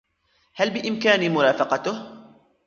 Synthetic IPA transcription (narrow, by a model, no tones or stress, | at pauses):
halbɪʔɪmkaːnimʊɾˤɑːfɑqɑt̪ʊh